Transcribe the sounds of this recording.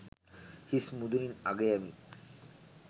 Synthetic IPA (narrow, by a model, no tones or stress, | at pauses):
hismud̪uninaɡeami